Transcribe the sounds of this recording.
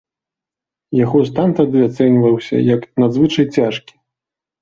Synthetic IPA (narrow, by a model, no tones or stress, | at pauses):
jaɣɔst̪ant̪ad̪ɨat̪sɛnʲvɐwsʲɐ̰jɐknad̪zvɨt͡ʂɐjt͡sʲaʂkʲi̥